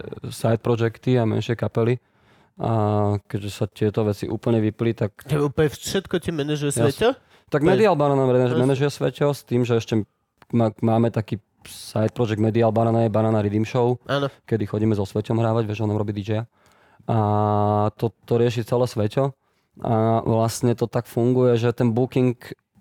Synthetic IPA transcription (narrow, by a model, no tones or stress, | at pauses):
sajt̪̚pɾɔd͡ʒɛkt̪iamɛ̰nʃɪɛkapɛli | akɛɟʒɛsat̪ɪɛt̪ɔʋɛt͡siʔṵːpl̩ɲɛʋiplit̪akɛupɛʃɛt̪kɔcimɛnɛʒujɛsɛɔ | t̪aɡmɛd̪ialbanaːnaɛmɛnaʒujɛsʋɛcɔst̪iːmʒɛɛʃcɛ | mamaːmɛt̪akiː | sajt̪̚pɾɔd͡ʒɛɡ̚d̪mɛd̪ialbanaːnajɛbananaɾid̪imʃɔʊʔaːnɔkɛd̪ixɔɟiːmɛzɔsʋɛcɔmɦɾaːʋaɟʋɪɛʒɔnamɾɔbiːd̪id͡ʒɛja | ʔa | t̪ɔt̪ɔɾɪɛʃ̬it͡sɛlɛːsʋɛcɔ | ʔa̰ʋlastɲɛt̪ɔt̪akfuŋɡujɛʒɛt̪ɛnbukiŋk